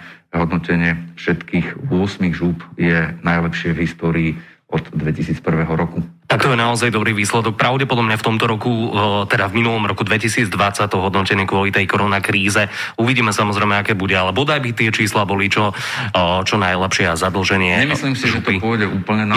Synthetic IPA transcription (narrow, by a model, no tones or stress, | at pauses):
ɦɔd̪nɔcɛɲɪɛfʃɛt̪kiːɣʊɔsmiɣʒuːpjɛnajlɛpʃɪɛvɦist̪ɔːɾiː | ɔd̪d̪ʋɛcisiːt͡spr̩ʋɛɦɔɾɔkut̪akt̪ɔjɛnaɔzajd̪ɔbɾiːʋiːslɛd̪ɔk̚pɾaʊɟɛpɔd̪ɔmɲaft̪ɔmt̪ɔɾɔkut̪ɛd̪avminulˠɔmɾɔkud̪ʋɛcisiːd͡zd̪ʋat͡sact̪ɔɦɔd̪nɔcɛɲɪɛkʊɔlit̪ɛjkɔɾɔnakɾiːzɛuʋiɟiːmɛsamɔzɾɛjmɛakɛːbuɟɛalɛbɔɔd̪ajbit̪ɪɛt͡ʃiːslaːbɔlit͡ʃɔ | t͡ʃɔnajlɛpʃɪɛazad̪l̩ˠʒɛɲɪɛɲɛmisliːmsiʒɛt̪ɔipʊɔɟɛʔuːpl̩ɲɛn